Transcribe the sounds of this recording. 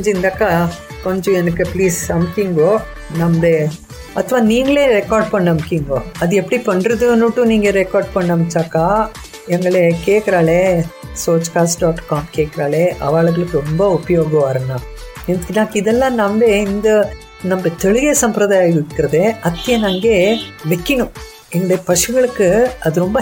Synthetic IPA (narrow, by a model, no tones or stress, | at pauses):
kɲd͡ʒɪnd̪aːkːaːkɔɲd͡ʒɔ̃ɛnɐkːɯpɭiːsɐmkiŋɡoː | nɐmɐde | ɐt̪ːɐʋaːniːŋɡɐɭeːɾɛkaːɾɖ̚pɐɳːɐmkiːŋɡoːɐðɯɛpːɐɽipɐɳɾɐðɯnːʊʈːɯ̃niːŋɡɐɾɛkaːɾɖ̚pɐɳːɐmɐt͡ʃːaːkːaː | ɛŋɡɐɭekeːkɪɾaːɭeːsoːt͡ʃkaːsɖaːʈkaːmkeːʈkːɪɾaːɭeɐ̰ʋaːɭɐɣɐɭɯkːɯɾɔmbɐɔpɐjoːɣɐʋaːɾɐnːãː | ɛnd̪ɯkːnːaːkːɪðɛlːãːnɐmbeɪnd̪ɐ | nɐmbɐt̪ɛɭɯɣesɐmpɾɐðaːjaːjɪkːɪɾɐðeɐt̪ːɪjɐnɐŋɡeːʋɛkːɪɳʊ̃ | ɛnbɐpɐʂɐŋɡɐɭɯkːɯɐðɯɾɔmbɐ